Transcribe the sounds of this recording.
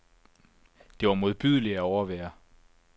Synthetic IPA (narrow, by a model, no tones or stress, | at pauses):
d̥e̝ʋɑ̈mo̝ð̞ˠb̥yð̞ˠliæɒʊɐʋæːɐ